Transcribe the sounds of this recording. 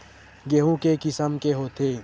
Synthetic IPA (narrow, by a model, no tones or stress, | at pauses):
ɡeːɦũːkekɪsəmkeɦoːt̪ʰeː